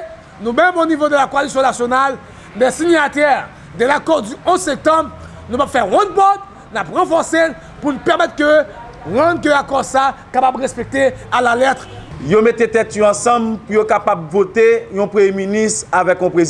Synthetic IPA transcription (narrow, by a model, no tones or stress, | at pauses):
nũbɛ̃mɔnivod̪əlakoalisjɔ̃nasjonal | mɛ̃siɲat̪ɛʁ | d̪ɛzakɔʁd̪yɔ̃zsɛ̃k̚t̪ɑ̃bʁ | nũpabfɛʁɔ̃d̪̚bɔt̪ | napʁɑ̃fɔʁsel | punupɛʁmɛt̪kø | ʁãd̪køakɔʁsakapabʁɛspɛk̚t̪ealalɛt̪χjomet̪et̪ɛt̪ɔ̃ɑ̃sɑ̃bpujokapabvot̪ejɔ̃pχəmjeminist̪ʁavɛkɔ̃pʁez